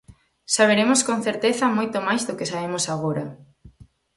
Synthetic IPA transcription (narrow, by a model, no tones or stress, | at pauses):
saβeɾemoskon̟θeɾt̪eθɐmojt̪omajzðʊkɪsaβemʊsaɣoɾɐ